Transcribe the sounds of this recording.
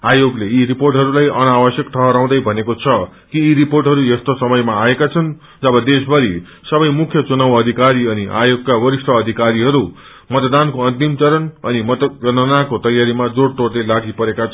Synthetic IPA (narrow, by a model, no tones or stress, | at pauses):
ajoɡleiɾiporʈɦʌɾulajʌnawʌsjʌkt̪ʌɦʌɾaw̃d̪ʌjbʱʌnekot͡sʰʌkiːɾiporʈɦʌɾujest̪osʌmʌjmaːekat͡sʰʌn | d͡zʌbʌd̪esbʱʌɾi | sʌbʌjmukʰjʌt͡sunawʌd̪ʱikaɾiʌniʔa̰joɡ̚kawʌɾisʈʌːd̪ʱikaɾiɦʌɾu | mʌt̪d̪ankoʌnt̪imt͡sʌɾʌnʌnimʌt̪ʌnʌnakot̪ʌjaɾimad͡zoɽʈord̪elaɽʰʱipʌɾekat͡sʰ